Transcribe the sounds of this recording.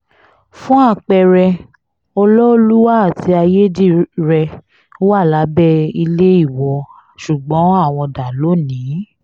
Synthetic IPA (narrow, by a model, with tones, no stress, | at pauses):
fũ˦a˦˨k͡pɛ˧ɾɛ˧ | ɔ˧lɔ˦o˧lu˦wa˦a˦˨ti˧a˧je˦di˦˨ɾɛ˧ | o˦wa˦˨la˨˦bɛ˦i˧le˦i˦˨wɔ˧ | ʃu˨ɡ͡bɔ̃˨˦a˦˨w̃ɔ̃˧da˨lo˨˦nĩː˨˦